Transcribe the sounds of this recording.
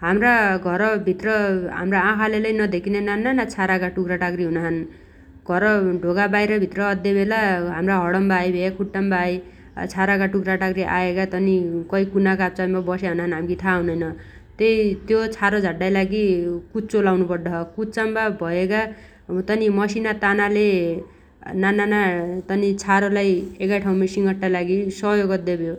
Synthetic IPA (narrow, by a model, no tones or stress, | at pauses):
ɦamraɡʱʌɾʌbʱit̪rʌɦa̰mraãkʰalelejnʌd̪ekʰinenanːanat͡sʰaɾakaʈukraʈaɡɾiɦunaɦʌn | ɡ̥ʱʌɾʌɖʱoɡabajɾʌbʱit̪rʌːd̪jebelaɦamraɦʌɽʌmbajbʱekʰuʈːambaj̰ | t͡sʰaɾakaʈukraʈaɡɾiʔa̰ekat̪ʌnikʌikunakap̚t͡sambabʌseɦʌnanɦamɡit̪ʰaːɦũnʌjnʌ | t̪ejt̪jot͡sʰaɾod͡zʱaʈːajlaɡikut͡solawnupʌrd̪ʌɦʌkut͡sambabʱʌeka | t̪ʌnimʌsinat̪anale | nananat̪ʌnit͡sʰaɾolajekajʈʰaw̃mesiŋɡʌʈːalaɡisʌɦjoɡʌd̪ːebjo